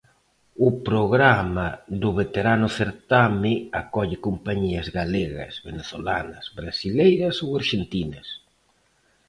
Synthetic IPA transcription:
ʊpɾoɣɾamaðʊβet̪eɾanʊθeɾt̪amɪakɔʎɪkompaɲiɐzɣaleɣɐ̰sβeneθolanɐsβɾasilejɾɐsowaɾʃent̪inɐs

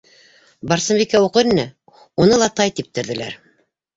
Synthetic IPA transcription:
bɑɾsɤ̆mbikæuqɤɾinɘ | unɤlˠɑt̪ɑjt̪ip̚t̪ɘ̆ɾðɘ̆læ̰ɾ

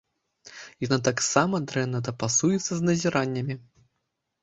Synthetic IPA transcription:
janat̪̬aksamɐd̪ɾɛnːɐd̪ɐpasujɛt̪sːɐznɐzʲiɾanʲːɐmʲi

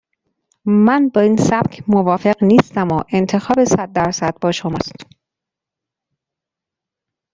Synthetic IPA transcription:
mænbɒːiːnsæb̥cʰmovɒːfe̞ɢniːst̪æmoʔe̞nt̪ʰe̞xɒːbesæd̪̚ːæɾsæd̪̥̚bɒːʃomɒ̰ːst̪

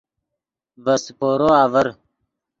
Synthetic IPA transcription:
vɐspoːɾoːaːvəɾ

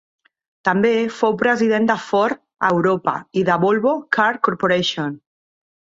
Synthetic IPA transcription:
t̪ambefowpɾeziðend̪afɔɾ | a̰wɾopa̰iðaβolβokʰaɾkoɾpoɾeʃon

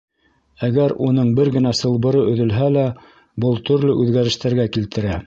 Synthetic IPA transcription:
æɡæɾunɤɴbɘɾɡɘ̆næsɤ̆lˠbɤ̆ɾɤɵ̆ðɵ̆lɦælæ | bɤlˠt̪ɵ̆ɾlɘʔʉðɡæɾɘ̆ʃt̪æɾɡækilt̪ɘ̆ɾæ

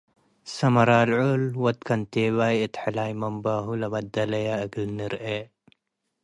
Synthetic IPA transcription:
sɐmɐɾaːlʕolwɐt̪kʰɐnt̪eːwaːjɪt̪ħalaːjmɐmbaːɦulɐmɐd̪ɐlɐjaɐɡlniɾe

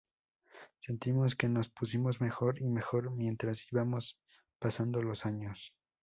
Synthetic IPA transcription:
se̞nt̪imo̞ske̞no̞spusimo̞zme̞xo̞ɾime̞xo̞ɾmje̞nt̪ɾasiβamo̞s | pasand̪o̞lo̞saɲo̞s

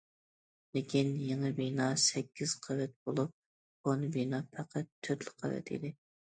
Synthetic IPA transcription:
lekʲinjeŋɨbinɑsɛkʲːiz̥qʰɑvɛt̪̚bolˠup̚ | bonɨbinɑpʰæqʰæt̪ʰːøt̪lɪqʰɑ̰vɛ̰t̪ʰɪ̰d̪ɪ

